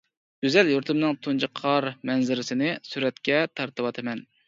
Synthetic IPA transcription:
ɡ̥ʲyzɛljoɾt̪ʰɨmnɨŋt̪ʰund͡ʒɨqʰːɑɾmɛnzɪɾɪsɪnɪsyɾɛt̪kʲɛt̪ʰɑɾt̪ɨwɑt̪ʰɨmɛn

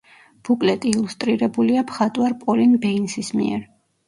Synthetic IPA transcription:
b̥ukʼlɛt̪ʼiːlˠust̪ʼɾiɾɛbuliapʰχat̪ʼwaɾpʼɔlinbɛinsismḭɛ̰ɾ

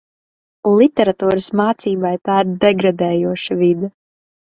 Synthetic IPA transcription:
ulˠit̪ʲɛɾat̪uːɾɨsmaːt̪siːbajt̪aːiɾd̪ɛɡɾad̪ɛːjuɔʃavid̪a

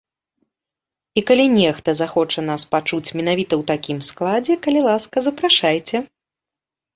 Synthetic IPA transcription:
ikalʲinʲɛxt̪ɐzaxɔt͡ʂɐnaspat͡ʂut͡sʲmʲɛnavʲit̪ɐwt̪akʲimsklˠad͡zʲɛkɐlʲilˠaskɐzɐpɾaʂajt͡sʲɛ

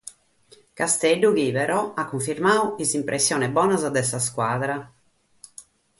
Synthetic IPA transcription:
kast̪ɛɖːuɣipɛɾɔakːuɱfiɾmaːuizimpɾʔɛsːjɔːnɛbɔːnazad̪ɛsaskwaːðɾa

